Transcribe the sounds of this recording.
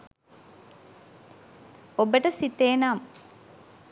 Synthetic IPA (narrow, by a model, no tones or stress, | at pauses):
obəʈəsit̪eːnaːm